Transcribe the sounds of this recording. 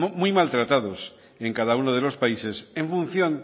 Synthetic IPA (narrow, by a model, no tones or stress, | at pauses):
mujmalt̪ɾat̪aðos | eŋkaðaunoð̞elospaisesẽɱfun̟θjon